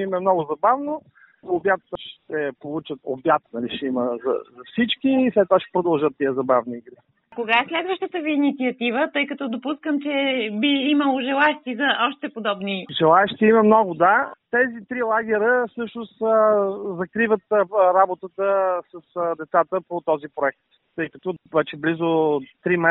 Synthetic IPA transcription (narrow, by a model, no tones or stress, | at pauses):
imɛmnɔɡʊzɐbavno | objat̪əʃt̪ɛpolˠut͡ʃət̪o̰bjat̪nɐliʃɛiməzɐ̰zɐfsit͡ʃkiːslɛt̪oaʃɛ̥pɾod̪əlˠʒət̪ːiəzɐbavniːɡɾi | koɡaɛslɛd̪vəʃt̪ət̪əviːnit̪siɐt̪ivət̪ɤjkɐt̪ɔd̪opuskəmt͡ʃɛbiiməlˠoʒɛlˠaɛʃt̪ʲizɐʔɔʃt̪ɛpod̪ɔbniʒɛlˠaɛʃt̪iməmnɔɡʊd̪at̪ɛzit̪ɾilˠaɡ̟ɛɾəsɤʃnʊs | zɐkɾivət̪ɾabot̪ət̪əsəsd̪ɛt̪sat̪əpot̪ɔzipɾoɛk̚t̪ːɤjkɐt̪ɔvɛt͡ʃɛblizʊt̪ɾimɛ